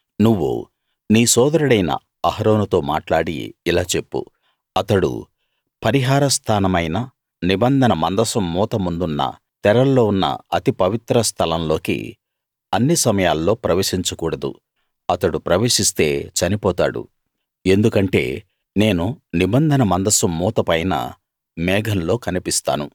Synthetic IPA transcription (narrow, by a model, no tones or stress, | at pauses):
nuʋːṵ | niːsɔːd̪ɐɾuɽɐjnɐ̰ | ɐɦɐɾo̞ːnut̪o̞ːma̰ːʈlaːɽḭːlaːt͡ʃe̞pːṵ | ɐt̪ɐɽṵ | pɐɾiɦaːɾɐst̪ʰaːnɐmɐjnɐ | nibɐnd̪ʱɐnɐmɐnd̪ɐsɐmːɔːt̪ɐmund̪unːɐ̰ | t̪ɛɾɐlːo̞ːunːɐ̰ɐt̪ipɐʋit̪ɾɐst̪ʰɐlɐmlo̞ːkḭ | ɐnːisɐmɐjaːlːo̞ːpɾɐʋeːʂiɲt͡ʃukuːɽɐd̪ṵ | ɐt̪ɐɽupɾɐʋe̞ːʂist̪e̞̰ːt͡ʃɐnipɔːt̪a̰ːɽṵ | e̞nd̪ukɐɳʈe̞ː | ne̞ːnunibɐnd̪ʱɐnɐmɐnd̪ɐsɐmːuːt̪ɐpɐjnɐ̰ | mɛːɡʱɐnlo̞ːkɐnipist̪a̰ːnu